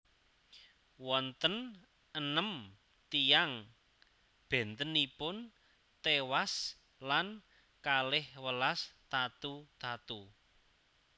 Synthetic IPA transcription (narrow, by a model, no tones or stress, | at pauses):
wɔnt̪ən | ənəm | t̪ijaŋ | b̥ɛ̤nt̪ənipʊn | t̪ewas | lan | kalɪhwəlast̪at̪ut̪at̪u